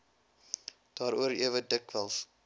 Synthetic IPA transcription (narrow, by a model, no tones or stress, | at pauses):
d̥ɑːɾuəɾiəvədəkvəlˠs